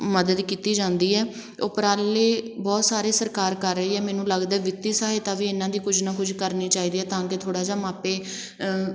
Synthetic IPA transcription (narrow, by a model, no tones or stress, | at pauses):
məd̪əd̪kiːt̪iːd͡ʒãːnd̪iːɛː | ʊ̰pɾaːleːbɔːt̪saːɾeːsəɾkaːɾkəɾːəiːɛːmɛːnũːləɡd̪aɛːʋɪt̪iːsaːɦet̪aːʋiːɪnãːd̪iːkʊd͡ʒʰnãːkʊd͡ʒkəɾniːt͡ʃaːiːd̪iːɛːt̪ãːket̪ʰoːɽaːd͡ʒaːmaːpeː